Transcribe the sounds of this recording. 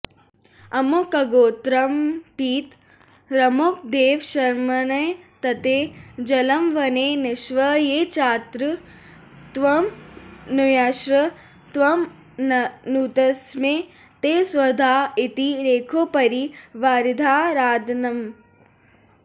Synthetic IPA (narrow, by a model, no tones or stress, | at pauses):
ɐmokɐɡoːt̪ɾɐmpiːt̪ | ɾɐmok̚d̪eːʋʃɐɾmɐnɐjt̪ɐt̪ed͡ʒɐlɐmʋɐnenɪʃʋɐjeːt͡ʃaːt̪ɾɨ | t̪ʋɐmnujaʃɾɐ | t̪ʋɐm | nnuːt̪ɐsmẽ | t̪eːsʋɐd̪ʱaːɪt̪iɾeːkʰopɐɾiʋaːɾid̪ʱaːɾaːd̪nɐm